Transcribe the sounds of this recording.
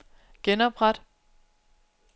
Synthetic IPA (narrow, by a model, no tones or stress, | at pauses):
ɡ̥enɒb̥ʁad̥